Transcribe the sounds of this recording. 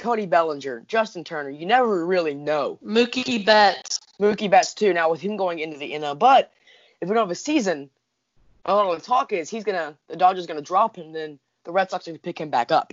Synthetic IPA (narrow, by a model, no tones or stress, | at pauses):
kʰõʊɾ̃ibɛlˠə̃nd͡ʒə˞d͡ʒʌstn̩tʰɜ˞nə˞jɨnɛvə˞ɹɪlˠinoʊmʉkibɛts | mʉkibɛtstʰʉnaʊwəð̥ɨ̃mɡoʊɪ̃ŋɪ̃ntʉðiʔɪ̃nəbʌɾ | ɨfjɨɡõʊ̃əvɨsizɨ̃n | ʔəlɔɾətʰɔkɪz̥izɡʌnɨðɨdɑɡ̚d͡ʒə˞zɡʌnɨdɹɑphɨ̃mðɨ̃n | ðəɹɛd̥sɑk̚sʌnəpʰɪkɨ̃mbæ̰kʌp̚